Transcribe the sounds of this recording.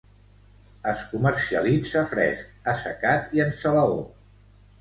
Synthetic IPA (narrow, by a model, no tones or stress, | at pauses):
əskuməɾsiə̰lid͡zəfɾɛ̰sk̚əsəkat̪iənsələo